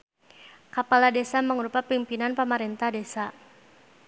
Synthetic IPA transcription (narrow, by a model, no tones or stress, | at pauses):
kapaladesaməŋɾupapimpinanpəmaɾɛnt̪ahdesa